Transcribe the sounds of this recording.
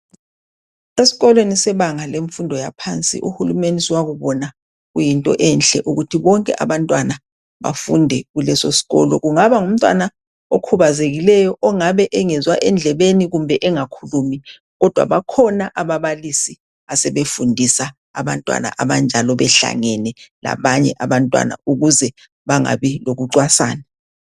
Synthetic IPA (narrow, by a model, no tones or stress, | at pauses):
esi̥ɣɔlwenisɛβaŋaleɱfundʱɔjapʰant͡sʼḭʔuhulumeniswaɣuβɔna | ɣujintʼɔ̰ʔɛnɬɛʔuɣutʰiβɔŋkʼɛ̰ʔa̰βantʼwana | βa̰fundʱɛɣulɛsosi̥ɣɔ̰lɔ̰ɣuŋaβaŋum̩tʼwa̰na | okʰuβazeɣilɛjɔʔɔŋaβɛʔɛŋɛzwaʔɛnd͡ɮʱɛβeniɣumbʱɛʔɛŋakʰuluːmi | ɣɔd̥ʱwa̰βakʰɔnaʔaβaβalisi | asɛβefundʱisa | aβantʼwa̰na̰ʔaβand͡ʒʱalɔβɛɬa̰ŋɛnɛla̰βaɲɛʔaβantʼwa̰na̰uɣuzɛ | βaŋa̰βiloɣuǀwasa̰ːna